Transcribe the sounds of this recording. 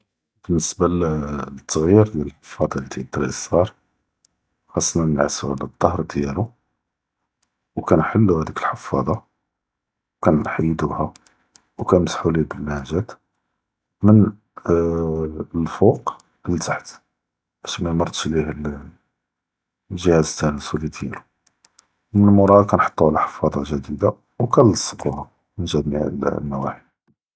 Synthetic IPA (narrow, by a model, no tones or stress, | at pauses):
b̥ənːəsbalt̪ːɣjiɾd̪jæləlħəfːɑd̪ˤɑlit̪it̪ɾʔsɑɾˤ | xɑsˤːnænəʕasṵhæ̰ləd̪ˤːɑhɾˤd̪jælu | wkænħəlːuhæd̪ikəlħəfːɑd̪ˤɑ | wkænħajːd̪uhæ | wkænməsħulibəlːæʒæt̪ | mən | lfuq | əlzaħt̪ | ʔæʃmæmɑɾˤt̪ʃlihl | ʒəhæzt̪ːænəswlit̪jilu | mənəlmʊɾˤɑd̪kænħɑ̥t̪ˤːuʕalæħə̥fːɑd̪ˤɑʒəd̪id̪a | wkænəsˤːət̪ːuhɑ | nʒæd̪miæ̰llmæwæ̰ħi